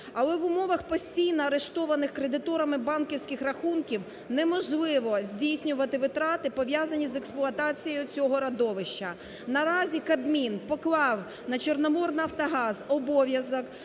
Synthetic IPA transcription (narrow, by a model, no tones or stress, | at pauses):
ɐlˠɛʋʊmɔʋɐxpɔsʲtʲijnɔɐɾeʃt̪ɔʋɐnɪxkɾed̪ɪt̪ɔɾɐmɪbɑnkʲiwsʲkɪxrɐxunkʲiw | nɛmɔʒlˠɪʋɔzʲdʲijsʲnʲʊʋɐt̪ɪʋɪt̪ɾɑt̪ɪpɔʋʲjazɐnʲizeksplˠʊɐt̪ɑt͡sʲijʊt͡sʲɔɦɔɾɐd̪ɔʋɪʃt͡ʃːɐ | nɐɾɑzʲikɐd̪mʲinpɔklˠɑw | nɐt͡ʃernɔmɔrnɪɐwt̪ɐɦɑzɔbɔʋʲjɐzɔk